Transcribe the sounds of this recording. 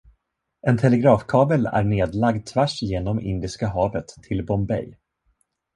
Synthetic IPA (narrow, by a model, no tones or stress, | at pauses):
ʔɛnt̪ʰɛlɛɡɾɑːfkʰɑːbəlæ̰ɾɳeːd̪laɡd̪̚t̪ʰvæʂjeːnɔmɪ̰nd̪ɪskaɦɑːvət̪ʰːɪlbɔmbɛ̰j